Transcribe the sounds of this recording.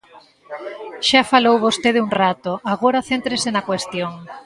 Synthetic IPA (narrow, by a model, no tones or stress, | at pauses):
ʃafalowβost̪eðɪuŋrat̪oʔaɣoɾaθent̪ɾesenɐkwest̪joŋ